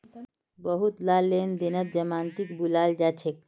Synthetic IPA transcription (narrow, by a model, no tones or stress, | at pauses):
bəɦut̪lalːend̪enət̪̚d͡ʒəmant̪ikbulald͡ʒat͡ʃʰek